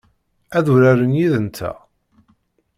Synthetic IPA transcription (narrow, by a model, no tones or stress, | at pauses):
æðuɾæɾənjiðənt̪ʰːæ̰